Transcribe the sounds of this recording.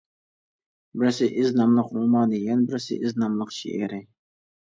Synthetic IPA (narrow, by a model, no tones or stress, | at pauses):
bɪɾsɪʔɪznɑmlˠəqulˠmɑd̪ɪɡʲɛnbɪɾsɪ̰ʔɪznɑmlˠəqʃḭʔɛɾɪ